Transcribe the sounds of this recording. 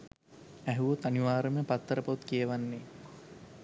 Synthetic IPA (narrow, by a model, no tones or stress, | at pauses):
æɦuʋot̪aniʋaːɾəməpat̪ːəɾəpot̪kijəʋanːe